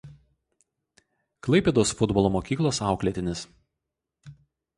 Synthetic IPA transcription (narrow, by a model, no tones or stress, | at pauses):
klˠɐɪpʲeːd̪oːsfʊd̪bɔlˠomoːkʲiːklˠɐsɑˑʊklʲɛt̪ʲɪnʲɪs